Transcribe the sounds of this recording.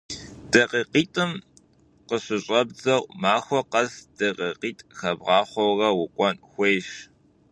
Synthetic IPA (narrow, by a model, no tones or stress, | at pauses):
d̥ɐqiːqiːtʼɨm | qəɕɪɕʼɐbd͡zɐwʷmaːxʷɔqɐzd̥ɐqʼiqiːtʼxɐbʁɑːχʷɔwrɐwʊkʷʼɔnxʷeːɕ